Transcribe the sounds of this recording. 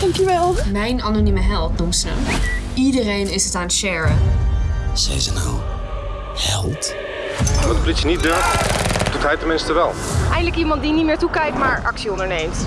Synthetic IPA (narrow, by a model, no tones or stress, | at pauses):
kɛŋkjəʋɛlˠmɛjnɑnonyməɦɛlˠtnumsnə̰ | idərejnɪsətaːnʃɛɹən | z̥ɛ̰jzəna̰w | hɛlˠt | ʋɑtplisənit̚døɹftd̥utɦɛjtəmɪnstəʋɛlˠ | ʔɛjndələkimɑnt̚dinitmɪːɹtukɛjk̚tmaːɹʔɑksiɔndəɹnejmt